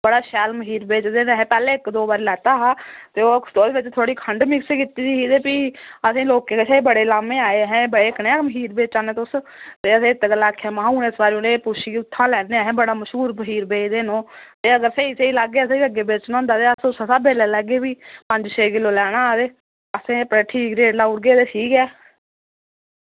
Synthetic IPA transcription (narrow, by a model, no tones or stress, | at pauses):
bəɽaːʃɛːlməɦiːɾbeːt͡ʃd̪eːnːɦɛ̃ːpɛːleːɪkd̪oːbaːɾiːlɛːt̪aːɦaːt̪eːoːt̪oːd̪eːʋɪt͡ʃt̪ʰoːɽiːkʰəɳɖmɪkskit̪iːd̪iɦiːd̪eːpiəsĩːloːkeːkeʃeːbəɽeːlaːmeːaːeːɦɛ̃ːbəɽeːɪkneaməɦiːɾbeːt͡ʃaːneːt̪ʊst̪eːəsẽːɪt̪ɡəlːaːkʰaːmãːuːneːsbaːɾiõːneːpʊʃiːʊt̪ʰːãːlɛːneːɦɛ̃ːbəɽaːməʃɦuːɾbəɦiːɾbeːd̪eːnõːt̪eːəɡəɾseːiseiːlaɡeːəsẽəɡeːbeːt͡ʃnãːnd̪aːt̪eːəsʊsəsaːbeːlɛːlɛɡeːbiːpəɲd͡ʒseːkɪlõːlɛːɽ̃aːd̪eː | əsẽːpɾeːʈʰiːkɾeːʈlaːʊɽɡeːt̪eːʈʰiːkɛː